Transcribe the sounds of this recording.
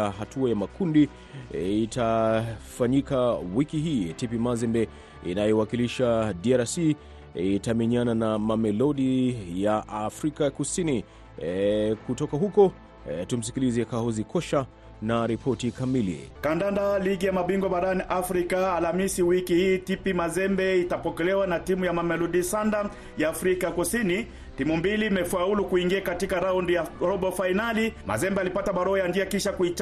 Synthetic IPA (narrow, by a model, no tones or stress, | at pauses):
aɦatʰuajamakundi | itʰafaɲikawikiɦiːtipimazɛmbɛ | ḭnajɔwakiliʃadiaɾasi | itamiɲananamamɛlɔɗijaʔafɾikakusini | kutɔkaɦukɔ | tum̩s̬ikilizɛkaɦɔzikʰɔʃa | naɾipʰɔtikamilḭkandandaliɡijamaɓiŋɡwaɓaɾaniʔafɾikaːlamisiwikihiːtipimazɛmbɛitapɔkɛlɛwanatimujamamɛludisanda | jaːfɾikakusini | timumbiliːmɛfaulukuiŋɡiakatikaɾaɔndijaɾɔɓɔfainalimʔa̰zɛmbɛalipataɓaɾɔajand͡ʒiakiʃakuit͡ʃ